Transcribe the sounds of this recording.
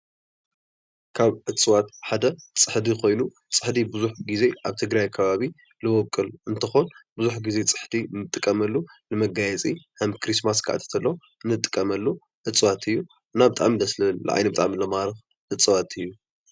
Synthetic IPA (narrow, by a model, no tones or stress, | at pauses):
kʰaβʕɨt͡sʼɨwat̪ħad̪ɐt͡sʼɨħd̪ikʰo̞jnu | t͡sʼɨ̥ħd̪ibɨzuħɡize̞ʔaβt̪ʰɨɡɾajkʰɐβaβi | lɨwɔkʼɨlɨnt̪ʰɐxonbɨzuħɡize̞t͡sʼɨ̥ħd̪imɨt̪ʼːɨkʼːɐmɐlːulɨmɐɡajɛt͡sʼihɐmkʰɾis̬maskʰʔa̰t̪ʰɐ̥t̪ʰɐlːow | ɨnːɨt̪ʼːɨ̥kʼːɐmɐlːu | ʕɨt͡sʼwat̪ʰɨjːu | ʔɨnːabɨt̪ʼa̰ʕmid̪ɐslɨll̰ʔʕa̰jnɐbɨt̪ʼaʕmilɐmaɾɨx | ʔɨt͡sʼɨwat̪ʰɨjːu